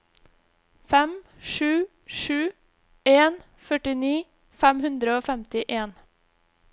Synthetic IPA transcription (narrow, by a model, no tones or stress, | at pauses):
fɛm | ʃʉː | ʃʉː | eːn | fœʈɪniː | fæmhʉnd̪ɾəoːfɛmt̪ɪʔeːn